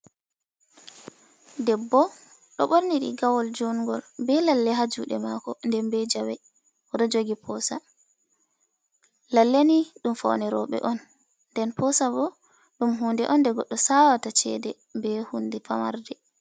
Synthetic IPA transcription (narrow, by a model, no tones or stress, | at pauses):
dɛbːɔ | ɗɔɓoɾniɗḭɡawɔld͡ʒuŋɡɔlbɛlalːɛɦad͡ʒuɗɛmakɔndɛmbɛd͡ʒawɛ | ʔɔɗɔd͡ʒoɡipʰɔsa | lalːaniɗumfɔ̰wnɛɾɔ̰ɓɛ̰ʔɔnː | dɛnpɔsabɔ | ɗumɦuːndɛʔɔndɛɡɔɗːɔsawatat͡ʃɛ̰dɛ | mbɛhundɛfama̰ɾdɛ